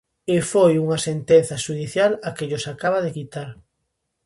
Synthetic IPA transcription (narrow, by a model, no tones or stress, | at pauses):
efojuŋɐsent̪en̟θɐʃuðiθjalakɪʎosakaβɐðekit̪aɾ